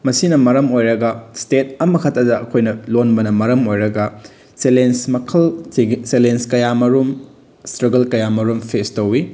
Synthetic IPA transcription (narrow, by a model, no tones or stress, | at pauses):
mɐsinɐmɐɾɐmojɾɐɡɐstet̚ɐmɐkʰɐtːɐdɐʔɐkʰojnɐlonbɐnɐmɐɾɐmojɾɐɡɐ | selensmɐkʰɐlselenskɐjamɐɾum | stɾɐɡɐlkɐjamɐɾumpʰestɐwi